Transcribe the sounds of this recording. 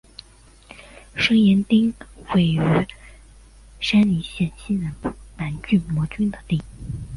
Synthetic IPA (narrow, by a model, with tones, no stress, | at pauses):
ʂɤ˥ŋjɛ˧˥nt̪i˥ŋwe˥˩ɪy˧˥ | ʂa˥nli˧˥ɕjɛ˥˩nɕi˥ɻə˧˥nma˧˥nt͡ɕy˥˩mwɔ˧˥t͡ɕy˥nd̪ə˨t̪i˥˩